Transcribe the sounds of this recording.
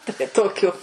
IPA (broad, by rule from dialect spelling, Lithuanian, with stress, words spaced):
tɐɪ ˈtoːkʲʊ